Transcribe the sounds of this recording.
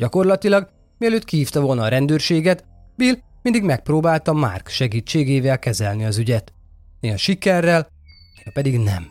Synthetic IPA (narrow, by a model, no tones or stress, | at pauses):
ɟɒko̞rlɒt̪ilɒɡ | miɛløːt̪kihiːft̪ɒvo̞lnɒːɾɛnd̪øːrʃeːɡɛt̪ | bil | mind̪iɡmɛk̚proːbaːlt̪ɒma̰ːrkʃɛɡiːt͡ʃːeːɡeːvɛlkɛzɛlniɒzyɟɛt̪ | neːɒʃikɛrːɛl | eɒpɛd̪iɡnɛ̰m